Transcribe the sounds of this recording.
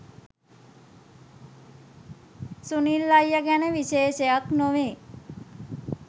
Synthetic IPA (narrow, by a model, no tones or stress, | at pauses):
sunilːajːəɡænəʋiʃeːʃejaknoʋeː